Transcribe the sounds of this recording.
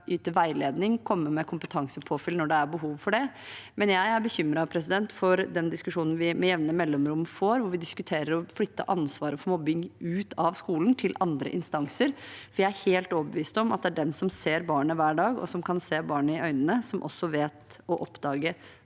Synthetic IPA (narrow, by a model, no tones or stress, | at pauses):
ʔyːt̪əʋæɪleːd̪nɪŋkʰɔmːəmɛkʰʊmpət̪ʰɑŋsəpʰoːfɪlnɔɖɛæɾbəɦuːʋfɔɖɛmɛnjæɪæɾbəçʏmːɾɑpʰɾɛsɪd̪ɛnt̪fɔɾd̪ɛnd̪ɪskʉʂuːnn̩ʋɪmɛjɛʋnəmɛlːɔmɾʊmfoːɾʋʊɾʋɪd̪ɪskʉt̪ʰeːɾəɾɔflʏt̪ːə̰ʔɑnsʋɑːɾəfɔɾmɔbːɪŋʉːt̪ʰɑʋskuːln̩t̪ʰɪlʔɑnd̪ɾə̰ʔɪnst̪ɑŋsəɾfɔɾjæɪæɾheːlt̪ɔːbəʋiːst̪ɔmɑt̪̚d̪ɛæɖɛnsɔmseːɾbɑːɳəʋæːɖɑːɡɔ̰sɔmkʰɑnseːbɑːɳəɪʔœʏnənəsɔmʔɔ̰sːɔʋeːt̪ | ɔʔɔpd̪ɑːɡə